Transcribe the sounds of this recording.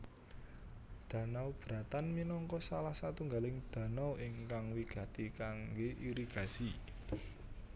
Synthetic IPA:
d̪̥ä̤nawb̥ɾa̤t̪anminɔŋkɔsalahsat̪uŋɡalɪŋd̪̥ä̤nawɪŋkaŋwiɡ̥ä̤t̪ikaŋɡeʔiɾiɡ̥a̤si

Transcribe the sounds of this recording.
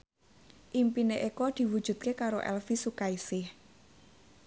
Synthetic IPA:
ʔimpineʔekɔd̪̥i̤wud̥ʒ̥ṳt̪̚kekaɾoʔɛ̰lfisukaisɪh

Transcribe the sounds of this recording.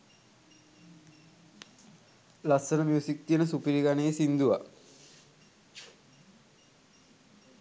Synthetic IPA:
laksənəmjuːsik̚t̪ijənəsupiɾiɡanejesind̪uʋa

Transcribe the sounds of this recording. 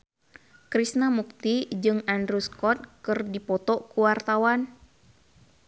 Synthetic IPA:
kɾisnamuk̚t̪id͡ʒɨŋandɾuskɔt̪̚kɨrdipɔt̪ɔkuwart̪awan

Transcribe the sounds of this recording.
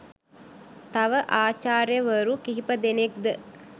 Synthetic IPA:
t̪ɐʋəʔaːt͡ʃaːɾjəʋəɾukiɦipɐd̪enek̚d̪ə

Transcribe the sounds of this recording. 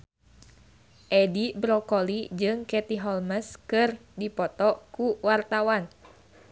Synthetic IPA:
ʔɛdibɾɔkɔlid͡ʒɨŋkɛt̪iɦɔlməskɨrdipɔt̪ɔkuwart̪awan

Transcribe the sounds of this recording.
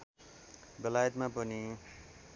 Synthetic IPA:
bʌlajʌt̪mapʌni

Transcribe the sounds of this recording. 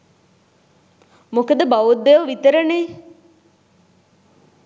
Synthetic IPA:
mukəd̪əbaʋud̪ːeʋəʋit̪əɾəneː

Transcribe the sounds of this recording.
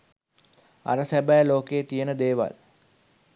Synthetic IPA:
a̰ɾəsæbæːloːkeːt̪ijənəd̪eːʋa̰l

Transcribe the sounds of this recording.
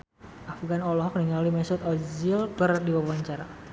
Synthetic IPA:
ʔafɡanɔlɔɦɔk̚məniŋalimɛsɔt̪ɔzilkərdiwabuaɲt͡ʃaɾa

